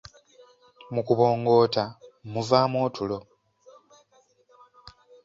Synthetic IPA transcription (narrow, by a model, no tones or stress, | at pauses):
mukuβo̞ːŋɡo̞ːtamuvaːmoːtʰulo̞